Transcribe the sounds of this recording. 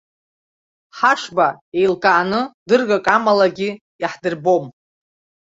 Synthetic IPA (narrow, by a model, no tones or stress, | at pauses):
ħaʂbae̞jlkʼaanɨdɨrɡakʼamalaɡʲi | iħdɨrbo̞m